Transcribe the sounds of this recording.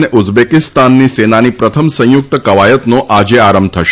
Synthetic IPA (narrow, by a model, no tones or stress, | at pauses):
neʔud͡ʒbekɪst̪anːisenanipɾət̪ʰəmsə̃jʊk̚t̪əkəʋajət̪noʔad͡ʒeaɾəmbt̪ʰəʃ